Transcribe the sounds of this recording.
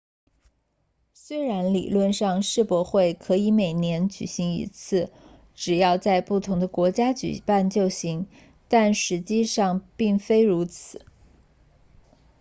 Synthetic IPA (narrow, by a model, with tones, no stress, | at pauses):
swe˥ɪɻa˧˥nlḭ˨˩lwə˥˧nʂɑ˥˧ŋʂɻ̩˥˩pwɔ˧˥xwe˥˩ɪkʰɤ˧˥i˧˥me˨˩ɪnjɛ˧˥nt͡ɕy̰˨˩ɕi˧˥ŋḭ˧˥t͡sʰɹ̩˥˩ | ʈ͡ʂɻ̩˨˩jɑ˥˧ʊt͡sa˥˧ɪpu˥˩t̪ʰʊ˧˥ŋd̪ə˧kwɔ˧˥t͡ɕja˥t͡ɕy̰˨˩pa˥˧nt͡ɕjo˥˩ʊɕi˧˥ŋ | t̪a˥˩nʂɻ̩˧˥t͡ɕi˥˧ʂɑ˥˧ŋpi˥˩ŋfe˥ɪɻu˧˥t͡sʰɹ̩˨˩˦